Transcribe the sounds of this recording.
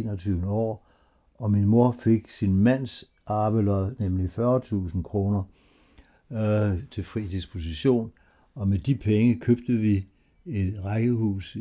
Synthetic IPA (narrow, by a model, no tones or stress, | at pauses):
nɒt͡sʰyːʊnəɒ̰ː | ɒ̽minmo̝ɐfe̝ɡ̥sinmæn̰s | ɑ̈ːʋəlɒðˠnemlifɶɐt͡sʰṵːsn̩kʰʁo̝ːnɐ | t͡sʰe̝fʁḭːd̥ispʰo̝s̬iɕo̝̰ːn | ɒ̽med̥ipʰeŋəkʰøb̥̚d̥əʋi | e̝d̥ʁaɡ̥əhṵːs